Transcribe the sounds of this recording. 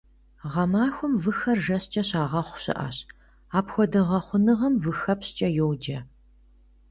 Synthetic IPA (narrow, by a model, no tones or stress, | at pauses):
ʁɐmaːxʷʊmvɨxɐrʒɐɕt͡ʃʼɐɕaːʁɐχʷʊ̥ɕɪ̰ʔa̰ːɕ | aːpxʷɔdɐʁɐχʷʊnɨʁɐmvɨxɐpst͡ʃʼɐjowd͡ʒɐ